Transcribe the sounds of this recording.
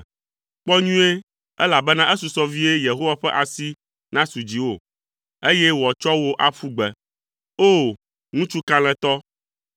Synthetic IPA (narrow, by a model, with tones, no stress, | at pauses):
k͡pɔ˦ɲũ˦e˦ | ɛ̰˦la˨bɛ˦nã˦ʔɛ˦su˨sɔ˦vi˦e˦je˨ɦo˦wa˦ɸɛ˦ʔa˨si˦ | nã˦su˨d͡ʑi˨wo˨ | e˦jɛ˦wɔ˨t͡ʃɔ˦wo˦ʔa˨ɸu˦ɡ͡bɛ˨ | o˦˨ | ŋũ˦t͡ʃu˦kã˦l̃ɛ̃˨t̪ɔ˦